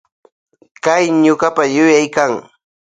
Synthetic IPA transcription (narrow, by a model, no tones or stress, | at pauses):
kajɲʊɢapajʊjajkaŋ